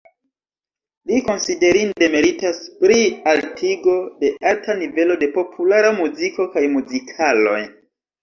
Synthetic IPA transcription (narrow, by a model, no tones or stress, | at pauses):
liko̞nside̞ɾinde̞me̞ɾitaspɾialtʰiɡo̞de̞altanive̞lo̞de̞po̞pʰulaɾamuziko̞kajmuzikʰalo̞̰j